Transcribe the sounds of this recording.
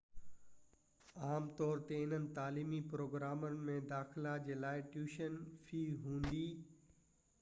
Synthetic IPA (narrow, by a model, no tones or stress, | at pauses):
aːmt̪ɔːɾt̪eɪn̤ənɪ̆t̪aːliːmipɾoːɡɾaːmənɪ̆mẽd̪aːxlad͡ʑeːlaːɪʈjuːʃənfʰiːɦũːnd̪iː